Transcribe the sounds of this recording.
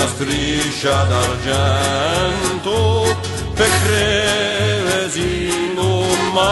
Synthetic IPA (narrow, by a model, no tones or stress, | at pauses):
ast̪ɾit͡ʃːad̪aɾd͡ʒɛnt̪ʊ | pekːɾe | vesi | lʊmːa